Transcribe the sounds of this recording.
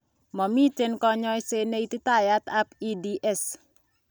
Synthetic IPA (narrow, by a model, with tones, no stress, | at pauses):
mɔ˨mi˦te˦nkɔ˦ɲɔ˦jse˦ne˦i˦ti˦ta˦ja˦ta˦pi˦di˦ʔɛ˦s